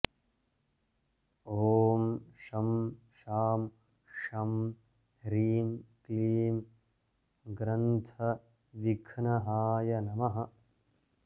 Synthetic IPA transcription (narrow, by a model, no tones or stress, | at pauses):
oːmʃɐmʃaːm | ʂɐm | ɾiːmkliːm | ɡɾɐnt̪ʰɐ | ʋikʰnɐɦaːjɐnɐmɐɦɐ